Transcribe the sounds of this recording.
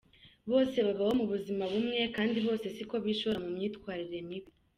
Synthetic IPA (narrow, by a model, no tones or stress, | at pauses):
βo̞ːse̞βaβaho̞muβuzimaβumŋe̞kaːndiβo̞ːse̞siko̞βiːʃoβɾamumɲiːtkwaːɾiɾe̞miβi